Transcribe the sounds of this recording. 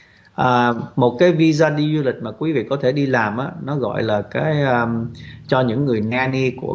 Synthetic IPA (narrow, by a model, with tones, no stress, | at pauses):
ʔəː˨˩mo˨˩t̚kaː˨˦jvi˧zaː˧ɗi˧zu˧lï˨˩k̟̚maː˨˩kwi˨˦vḭ˧˨kɔ˨˦t̪ʰe˧˩ɗi˧laː˨˩mʔaː˨˦nɔ˨˦ɣɔ̰˧˨jlaː˨˩kaː˨˦jʔəː˧t͡ɕɔ˧ɲɨ̰˧˥ŋːɨ˨˩əjnaː˧ni˧ku˧˩ə